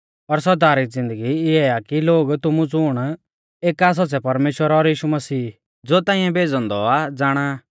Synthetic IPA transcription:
ɔɾs̬ɐɾd̪aːɾɪd͡zɪ̃nd̪əɡiɪɛakiloːɡt̪ʊmũt͡sʊɽ̃ | eːkaːs̬ɔt͡sɛpɐɾmeːʃwəɾɔɾjiːʃumɐsiː | d͡zoːt̪ãːĩjɛ̃beːd͡zɔ̃nd̪ɔad͡zaːɽ̃a

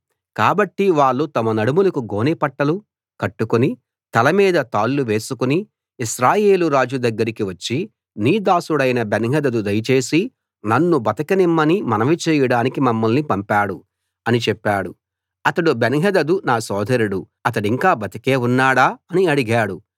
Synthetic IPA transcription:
kaːbɐʈːiʋaːɭːut̪ɐmɐnɐɽumulɐkuɡo̞ːnipɐʈːɐlu | kɐʈːukuni | t̪ɐlɐmiːd̪ɐt̪aːlːuʋe̞ːsukuniː | ʃɾaːje̞ːluɾaːd͡ʒud̪ɐɡːɐɾikiʋɐt͡ʃːi | niːd̪aːsuɽɐjnɐbenɦɐd̪ɐd̪ud̪ɐjɐt͡ʃe̞ːsi | nɐnːubɐt̪ɐkɐnimːɐnimɐnɐʋit͡ʃeːjɐɽaːnikimɐmːɐlnipɐmpaːɽu | ɐnit͡ʃɛpːaːɽu | ɐt̪ɐɽubenɦɐd̪ɐd̪unaːsɔːd̪ʱɐɾuɽu | ɐt̪ɐɽiŋkaːbɐt̪ɐke̞ːunːaːɽaːɐniɐɽiɡaːɽu

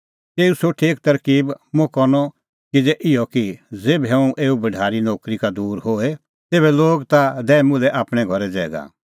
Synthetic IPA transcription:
t̪eːusoʈʰiːk̚t̪ɐɾkiːbmʊ̃kɔnɔ | kid͡zɛʔɪjɔkid͡zeːbɦɛũʔeːubɐɖʱaːɾinoːkɾikad̪uːɾhoːe | t̪eːbɛloːɡt̪ad̪ɛːɛmʊ̃lɛʔaːpɽ̃ɛɡʱɔɾɛd͡zɛːɡa̰

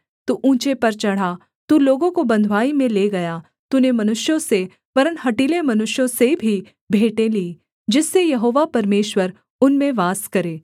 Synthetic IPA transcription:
t̪uʔũːt͡ʃepɐɾt͡ʃɐɽ̤a | t̪uloːɡõkobɐ̃nd̪ʱʋaːimẽleːɡɐja | t̪unemɐnʊʃjõse | ʋɐɾənɦɐʈiːlemɐnʊʃjõsebʱi | bʱeːʈẽliː | d͡ʒɪsːejɐɦoːʋapɐɾmeːʃwəɾ | ʊnmẽʋaːskɐɾeː

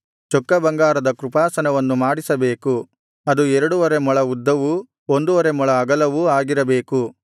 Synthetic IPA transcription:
t͡ʃɔkːɐbɐŋɡaːɾɐd̪ɐkɾupaːsɐnɐʋɐnːumaːɽisɐbe̞ːku | ɐd̪uɛɾɐɽuʋɐɾe̞mɔɭɐud̪ːɐʋu | ond̪uʋɐɾe̞mɔɭɐːɡɐlɐʋuaːɡiɾɐbe̞ːku

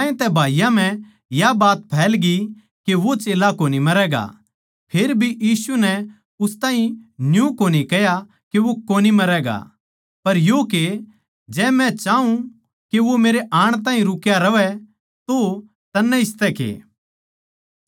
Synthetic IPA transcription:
ẽt̪ɛbʱaːjãm̤ɛ̃ | jabaːt̪pʰɛːlɡi | keʋot͡ʃeːlakoːnimɐɾɛːɡa̰ | pʰeːɾbʱijiːsunɛ | ʊst̪ãːɦĩnjũkoːnikɛja | keʋokoːnimɐɾɛɡa̰ | pɐɾjoːke | d͡ʒɛːmɛ̃t͡ʃaːũ | keʋomeːɾeʔaːɽ̃t̪ãːɦĩɾʊkjaɾɐʋɛ | t̪o | t̪ɐnːɛɪst̪ɛkḛː

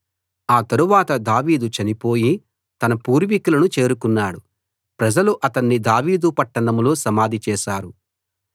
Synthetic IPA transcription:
aːt̪ɐɾuʋaːt̪ɐd̪aːʋiːd̪ut͡ʃɐnipo̞ːji | t̪ɐnɐpuːɾʋikulɐnut͡ʃe̞ːɾukunːaːɽu | pɾɐd͡ʒɐluʔɐt̪ɐnːid̪aːʋiːd̪upɐʈːɐnɐmlo̞ːsɐmaːd̪ʱit͡ʃɛːʃaːɾu

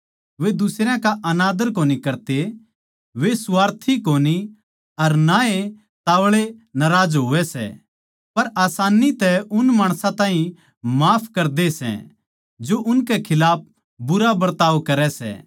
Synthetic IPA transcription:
ʋed̪ʊsɾjãkaʔɐnaːd̪əɾkoːnikɐɾt̪e | ʋesʊaːɾt̪ʰikoːni | ɐɾnae | t̪aːʋɭenɐɾaːd͡ʒɦoːʋɛsɛ̰ | pɐɾaːsaːnit̪ɛʊnmaːɽ̃sãt̪ãːɦĩ | maːpʰkɐɾd̪esɛ̰̃ | d͡ʒoʔʊnkekʰɪlaːp̚ʰ | bʊɾabɐɾt̪aːʋkɐɾɛsɛ̰

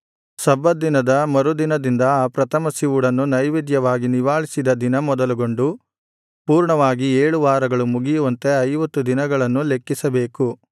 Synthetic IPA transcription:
sɐbɐd̪inɐd̪ɐmɐɾud̪inɐd̪ind̪ɐaːpɾɐt̪ʰɐmɐsiʋuɽɐnːunɐjʋid̪jɐʋaːɡiniʋaːɭisid̪ɐd̪inɐmɔd̪ɐluɡo̞ɳɖu | puːɾɳɐʋaːɡieːɭuʋaːɾɐɡɐɭumuɡijuʋɐnt̪e̞ɐjʋɐt̪ːud̪inɐɡɐɭɐnːule̞kːisɐbe̞ːku

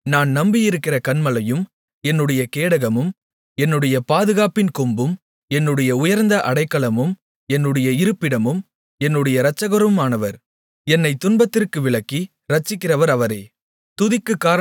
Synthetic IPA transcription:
naːnnɐmbɪjɪɾɯkːɪrɐkɐnmɐlɐjɯm | ɛnːɯɽɐjɐkeːɽɐɣɐmɯm | ɛnːɯɽɐjɐpaːðɯɣaːpɪnkɔmbɯm | ɛnːɯɽɐjɐʊjɐɾnd̪ɐʔɐɽɐɪkːɐɭɐmɯm | ɛnːɯɽɐjɐɪɾɯpːɪɽɐmɯm | ɛnːɯɽɐjɐɾɐt͡ʃːɐɣɐɾɯmaːnɐʋɐɾ | ɛnːɐɪt̪ːʊnbɐt̪ːɪrkɯʋɪɭɐkːi | ɾɐt͡ʃːɪkːɪrɐʋɐɾɐʋɐɾɐ̰ː | t̪ʊðɪkːɯkːaːɾɐ

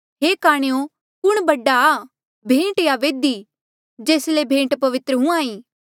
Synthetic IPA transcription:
ɦeːkaːɽ̃ejõ | kʊɽ̃bɐɖa | bʱẽːʈjaʋeːd̪iː | d͡ʒeːslebʱẽːʈpɐʋɪt̪ɾəɦũãːĩː

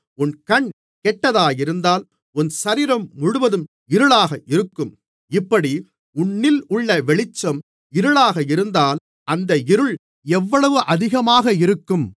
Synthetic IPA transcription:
ʊnkɐɳ | kɛʈːɐðaːjɪɾɯnd̪aːl | ʊnsɐɾiːɾɐmːʊɻʊʋɐðɯm | ɪɾɯɭaːɣɐʔɪɾɯkːɯm | ɪpːɐɽi | ʊɳːɪlʊɭːɐʋɛɭɪt͡ʃːɐm | ɪɾɯɭaːɣɐɪɾɯnd̪aːl | ʔɐnd̪ɐɪɾɯɭ | ɛʋːɐɭɐʋɯʔɐðɪɣɐmaːɣɐɪɾɯkːɯm

